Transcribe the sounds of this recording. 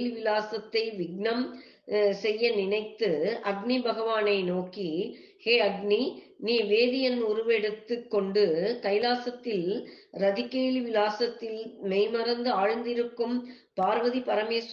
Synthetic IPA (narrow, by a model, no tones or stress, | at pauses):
lʋɪlaːsɐt̪ːɐɪʋɪɡ̚ɳɐm | sɛjːɐnɪnɐɪt̪ːɯɐɡnibʱɐɣɐʋaːnɐɪnoːki | heːɐɡni | niːʋeːðɪjɐnʊɾʊʋɛɽɯt̪ːɯkːɔɳɖɯkɐɪlaːsɐt̪ːɪl | ɾɐðɪkːejlʋɪlaːsɐt̪ːɪlmɛɪmɐɾɐnd̪ɯaːɻnd̪ɪɾɯkːɯm | paːɾʋɐðipɐɾɐmeːs